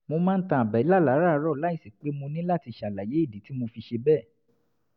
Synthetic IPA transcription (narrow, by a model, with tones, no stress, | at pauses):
mo˧mã˦n̩˦tã˧a˨bɛ˨i˦la˦˨la˨˦ɾa˦˧˦ɾɔ˦˨la˦i˦˨si˨k͡pe˨˦mõ˧nĩ˦la˦˨ti˧˨ʃa˨la˨je˨˦i˦˨di˨˦ti˦mo˧fi˧ʃe˧bɛ˦˨